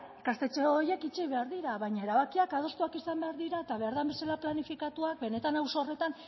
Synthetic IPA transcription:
ekast̪e̞t͡ʃeoje̞kit͡ʃiβe̞aɾðiɾaβajɲae̞ɾaβakiakað̞o̞st̪uakisambe̞aɾðiɾaet̪aβe̞aɾðambe̞salaplanifikat̪uak̚be̞ne̞t̪anawso̞ːre̞t̪an

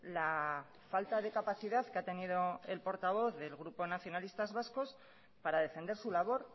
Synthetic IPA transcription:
la | falt̪að̞e̞kapaθiðaðkeat̪e̞nið̞o̞e̞lpo̞ɾt̪aβ̞o̞θðe̞lɣɾupo̞naθjo̞nalist̪azβasko̞s | paɾað̞e̞fe̞nd̪e̞ɾsulaβ̞o̞ɾ

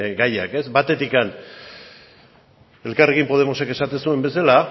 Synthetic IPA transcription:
ɡaja̰ke̞zbat̪e̞t̪ikan | e̞lkare̞ɣ̞impo̞ð̞e̞mo̞seke̞sat̪ensue̞mbe̞sala

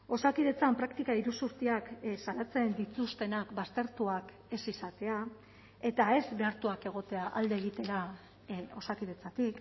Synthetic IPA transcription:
o̞sakiðe̞t͡sampɾakt̪ikaiɾusuɾt̪iaksalat͡se̞nd̪it͡sust̪e̞nakbast̪e̞ɾt̪uak | e̞sisat̪e̞a | e̞t̪ae̞zbe̞aɾt̪uake̞ɣ̞o̞t̪e̞aʔald̪e̞ːɣ̞it̪e̞ɾa | o̞sakiðe̞t͡sat̪ik

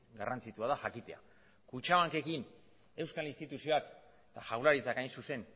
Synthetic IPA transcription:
ɡa̰rant͡sit̪uaðaʝakit̪e̞a̰ | kut͡ʃaβaŋke̞kin | e̞wskalinst̪it̪usio̞ak | t̪aʝawlaɾit͡sakajnsuse̞n

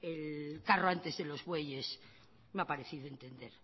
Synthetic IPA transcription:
elkaroant̪ezðelo̞zβwe̞ʝe̞s | meapaɾeθiðoe̞nt̪e̞nd̪e̞ɾ

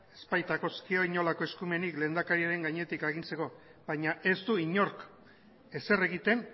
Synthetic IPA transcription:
e̞spajt̪ako̞skio̞iɲo̞lako̞e̞skume̞nikle̞ːnd̪akaɾiaɾe̞ŋɡaɲe̞t̪ikaɣ̞inse̞ko̞βajɲaʔe̞zt̪uiɲo̞ɾk | e̞se̞re̞ɣit̪e̞n

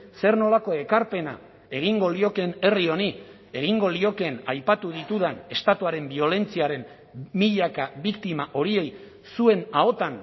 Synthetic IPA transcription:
se̞ɾno̞lako̞e̞kaɾpe̞na̰ | e̞ɣ̞iŋɡo̞lio̞ke̞ne̞rio̞ni | e̞ɣ̞iŋɡo̞lio̞ke̞najpat̪uðit̪uðane̞st̪at̪uaɾe̞mbio̞le̞nt͡siaɾe̞n | miʎakaβikt̪imaʔo̞ɾie̞j | sue̞nao̞t̪an

